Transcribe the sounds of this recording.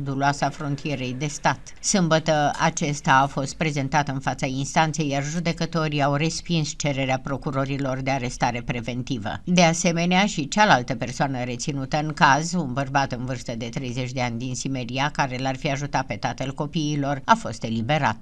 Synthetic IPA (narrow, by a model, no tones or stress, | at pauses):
d̪uluasafɾont̪ʰije̞ɾe̞jd̪e̞st̪at̪ | sɨmbət̪əa̰t͡ʃe̞st̪aːfo̞st̪̚pɾe̞ze̞nt̪at̪əɨnfat̪sainst̪ant̪se̞jːarʒud̪e̞kət̪o̞ɾiawre̞spinst͡ʃe̞ɾe̞ɾeapɾo̞kuɾo̞ɾilo̞rd̪e̞aɾe̞st̪aɾe̞pɾe̞ve̞nt̪ivə̰d̪e̞ase̞me̞neaʃit͡ʃalalt̪əpe̞rsoanəɾe̞t̪sinut̪əɨŋkazunbərbat̪ɨnvɨrst̪əd̪e̞t̪ɾe̞jze̞t͡ʃʲd̪e̞anʲd̪insime̞ɾiakaɾe̞larfiaʒut̪at̪̚pe̞t̪at̪əlko̞piːlo̞rafo̞st̪e̞libe̞ɾa̰t̪